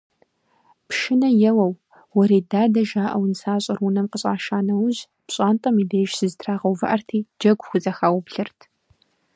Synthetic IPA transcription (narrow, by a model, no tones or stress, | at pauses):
pʃɪnɐjɛwɐw | wɔɾeːdaːdɐʒaːʔɐwnsaːɕʼɐrwʊnɐmqəɕʼaːʃaːnɐwʊʑ | pɕʼaːntʼɐmiːdeːʒsɨztʰraːʁɐwvɨ̰ʔɐrtʰiːd͡ʒɐɡʷxʷʊzʼɐxaːwʊbɬɨrtʰ